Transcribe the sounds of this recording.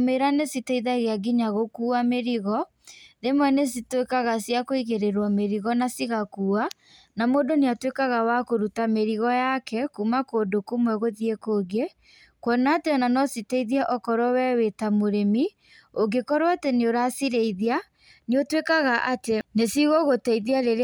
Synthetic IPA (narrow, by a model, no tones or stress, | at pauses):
meɾanesitɛiðaɣeaɡiɲaɣokuːameɾiɣɔ | ðemwɛnes̬itwekaɣasjakoiɣeɾeɾwɔmeɾiɣɔnasiɣakuːa | namoːdoneatwekaɣawakoɾutameɾiɣɔjakɛkumakoːdokomwɛɣoðiekoːɡe | kwɔnaːteɔnanɔsitɛiðiaʔɔkɔɾɔwɛwetamoɾemi | oɡekɔɾwateneoɾasiɾeiðia | neotwekaɣaʔatenesiɣoɣotɛiðiaɾeɾ